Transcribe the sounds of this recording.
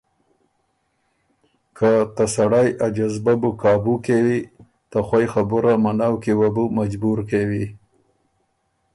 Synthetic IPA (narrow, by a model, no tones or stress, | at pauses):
kʰat̪asaɽajad͡ʒazbabukɑbukewi | t̪axwajxabʊɾamanawkewabumad͡ʒbuɾkewi